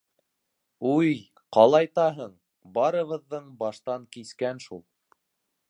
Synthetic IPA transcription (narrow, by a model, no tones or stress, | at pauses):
uj | qɑlˠɑjt̪ɑɦɤɴ | bɑɾɤ̆βɤ̆ðːɤɴbɑʃt̪ɑŋkiskænʃulˠ